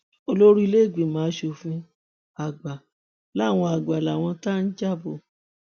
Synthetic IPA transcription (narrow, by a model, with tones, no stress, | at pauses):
o˧lo˦ɾi˦˧le˦˨ɡ͡bĩ˨mãː˨˦ʃo˧fĩ˧ | a˨ɡ͡ba˨ | la˦˨w̃ɔ̃˧a˨ɡ͡ba˨la˨w̃ɔ̃˧ta˦n̩˦d͡ʒa˦˨bo˨